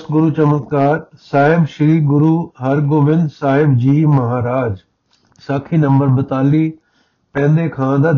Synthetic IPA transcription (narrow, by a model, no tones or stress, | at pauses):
st̪ɡʊɾut͡ɕɐmət̪kaːɾsaːɦɪbʃɪɾiːɡʊɾuːɦɐɾɡoːʋɪ̃nd̪saːɦɪbd͡ʑiːmɐɦaːɾaːd͡ʒ | saːkʰinɐ̃mbəɾbɪt̪aːlːiː | pɛ̃ːnd̪ekʰãːd̪ad̪